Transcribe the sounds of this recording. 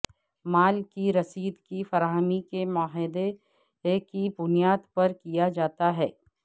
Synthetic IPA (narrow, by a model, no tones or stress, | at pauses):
maːlkiɾɐsiːd̪kifɐɾaːɦəmikemʊaːɦɪd̪e | kibʊnijaːd̪pɐɾkijad͡ʒaːt̪aɦɛː